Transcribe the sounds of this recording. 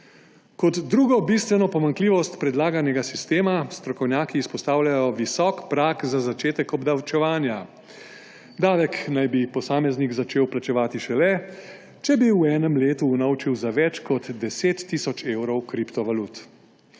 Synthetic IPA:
kɔd̪ːɾuːɡɔbist̪ʋɛnɔpɔmaŋkliːʋɔst̪pɾɛd̪laːɡanɛɡasist̪eːmast̪ɾɔkɔwnʲjaːkiːspɔst̪aːwlʲjajɔʋisɔːkpɾakzazat͡ʃeːt̪ɛkɔbd̪awt͡ʃɛʋaːnja | d̪aːʋɛknajbipɔsaːmɛzniɡzat͡ʃeːwplat͡ʃɛʋaːt̪iʃɛlɛ | t͡ʃɛbiwɛːnɛmleːt̪uːnawt͡ʃiwzaʋɛt͡ʃkɔd̪d̪ɛseːt̪ːisɔt͡ʃeːwɾɔwkɾipt̪ɔʋalut̪

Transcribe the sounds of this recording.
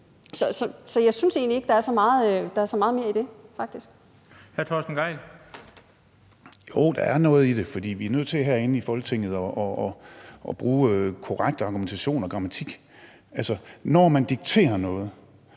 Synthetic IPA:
sɒ̽sɒ̽sɒ̽jɑ̈ɪsynse̝̰ːnlie̝ɡ̥əd̥ɑ̈æɐsɒ̽mɑ̈ːð̩ˠd̥ɑ̈æɐsɒ̽mɑ̈ːð̞ˠme̝ːɐ̰id̥e̝fɑ̈ɡ̥̚d̥isɡ̥ | hæɐt͡sʰɒ̰ːsd̥n̩ɡ̥ɑɪl | joʊd̥ɑ̈æɐnɔ̽ːð̞̩ˠid̥e̝fɒ̽d̥ḭːʋiæɐnøð̰ˠt͡sʰe̝æɦæɐe̝nəifɒ̽lɡ̥t͡sʰe̝ŋ̰ð̞̩ˠɒʔɒːʔɒ̽b̥ʁuːkʰɒʁaɡ̥̚d̥əɑ̈ɡ̥ument͡sʰæɕo̝̰ːnɒ̽ɡ̥ʁɑ̈mæt͡sʰiɡ̥ | ælsənɒmænd̥iɡ̥̚t͡sʰe̝̰ːɐnɔ̽ːð̞̩ˠ

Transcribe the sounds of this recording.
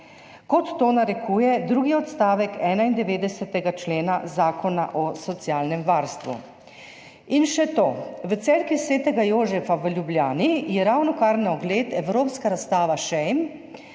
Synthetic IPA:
kɔt̪ːoːnaɾɛkʰuːjɛd̪ɾuːɡiɔt̪st̪aːʋɛkɛːnaind̪ɛʋeːd̪ɛsat̪ɛɡat͡ʃleːnazaːkɔna̰ʔɔsɔt̪sijaːlnɛmʋaːɾst̪ʋṵ | inʃɛt̪oːʋət̪sɛːlkisʋeːt̪ɛɡajoːzɛfaʋəlʲjublʲjaːnijɛɾawnɔkaɾnaɔɡleːt̪ɛwɾoːpskaɾast̪aːʋaʃɛjm

